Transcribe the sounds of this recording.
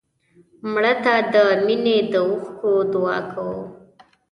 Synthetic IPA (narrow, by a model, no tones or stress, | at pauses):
mɽət̪ad̪əmined̪əuxkod̪ʊɑ̰kʰawu